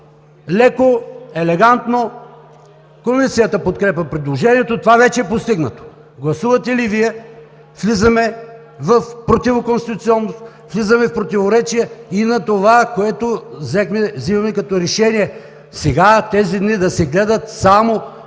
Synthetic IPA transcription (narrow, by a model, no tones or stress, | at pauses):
lɛkoɛlɛɡant̪no | komisijət̪əpot̪̚kɾɛpɐpɾɛd̪lˠoʒɛniɛt̪ot̪ovavɛt͡ʃɛɛpost̪iɡnɐt̪o̥ | ɡlˠɐsuvɐt̪ɛliviɛ | flizɐmɛ | vɐfpɾot̪ivokonst̪it̪ʊt̪siɔnːost̪ | vlizəmɛfpɾot̪ivoɾɛt͡ʃiɛinɐt̪ovakoɛt̪ovzɛxmɛvzimɐmɛkɐt̪ɔɾɛʃɛniɛ | sɛɡat̪ɛzid̪nid̪ɐsɛɡlɛd̪ət̪samo